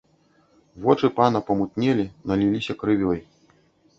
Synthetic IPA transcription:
vɔt͡ʂɨpanɐpɐmut̪nʲɛlʲinɐlʲilʲisʲɐkɾɨvʲɔj

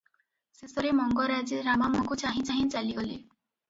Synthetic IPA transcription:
sesɔɾemɔŋɡɔɾad͡ʒeɾamamɔkut͡ʃaɦĩt͡ʃaɦĩt͡ʃaliɡɔle

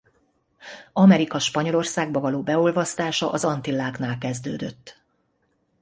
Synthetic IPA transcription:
ɒmɛɾikɒʃpɒɲo̞lo̞rsaːɡ̚bɒvɒloːbɛolvɒst̪aːʃɒʔɒzɒnt̪ilːaːknaːlkɛzd̪øːd̪øt̪ː

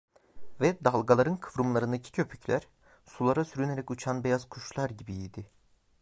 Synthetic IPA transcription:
vɛd̪alˠɡalˠaɾɯnkʰɯvɾumlˠaɾɯnd̪acʰi̥cʰø̞pʰy̥cʰlʲæɾ̥ | sulˠaɾasyɾyneɾɛcut͡ʃʰanbejaz̥kʰuʃlˠaɾɟibiid̪ɪ

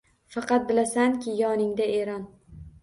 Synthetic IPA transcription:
fɑqɑt̪̚bɪlasankʲɪjɒnɪŋd̪aeɾɒn

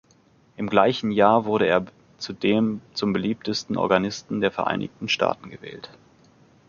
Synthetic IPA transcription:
ʔɪmɡlaɪçn̩jaːɐvʊɐɾəeːɐ | t͡sudeːmt͡sʊmbəliːp̚təstn̩ʔɔ̰ɐɡanɪstn̩deːɐfɛɐʔa̰ɪnɪ̰çtn̩ʃtʰa̰ːtn̩ɡəvɛ̰ːlt

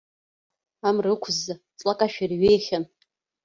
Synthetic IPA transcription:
amrɨkʷʰza | t͡sʼlakʼaʃᶣirɥejχʲan

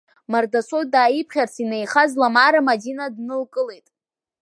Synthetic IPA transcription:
mardasʷʰodaːjipʰχʲart͡sʰinejχazlamaɾamadinadnɨlkʼɨle̞jtʼ

